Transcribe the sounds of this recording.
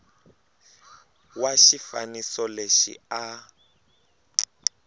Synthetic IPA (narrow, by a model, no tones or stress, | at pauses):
waʃifa̰nisɔleʃḭa